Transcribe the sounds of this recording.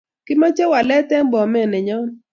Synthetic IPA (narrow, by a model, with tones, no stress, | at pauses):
kɪ˦ma˦t͡ʃɛ˦wa˨lɛ˦tɛ˦m˦bɔ˨mɛ˦˨nɛ˨ɲɔ˦n